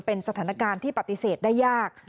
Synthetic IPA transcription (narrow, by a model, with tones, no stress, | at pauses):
pe˧nsa˧aː˩˦na˦˧kaː˧nt̪ʰiː˥˩pa˨˩t̪ːi˨˦seː˨˩t̪̚daː˥˩jːaː˥˩k̚